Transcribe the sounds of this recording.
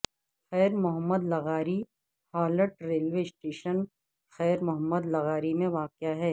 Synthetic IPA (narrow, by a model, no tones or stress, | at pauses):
xɛːɾmʊɦəmːəd̪lɐɣaːɾi | haːləʈɾeːlʋesʈeːʃən | xɛːɾmʊɦəmːəd̪lɐɣaːɾimẽʋaːkjaɦɛː